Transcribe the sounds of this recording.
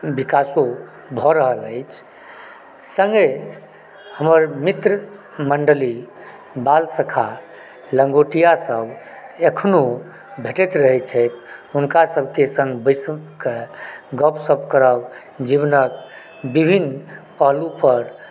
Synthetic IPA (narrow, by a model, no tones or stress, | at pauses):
bikaso | bʱɔɾəɦələɪt͡ʃʰ | sə̃ŋɡe | həməɾmit̪ɾə | məɳɖəli | balsəkʰa | ləŋɡoʈijasəbʱ | ekʰno | bʱeʈɛt̪ɾəɦɛt͡ʃʰəɪt̪ʰunkasəbʱkesə̃ŋɡbəsəbkeɡəpʰsəbkəɾəb | d͡ʒiβnək̚ | bibʱinpəɦlupəɾ